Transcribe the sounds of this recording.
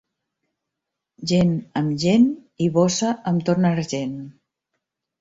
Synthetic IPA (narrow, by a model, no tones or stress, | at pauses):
ʒenəmʒeniβɔsəʔəmt̪ornəɾʒen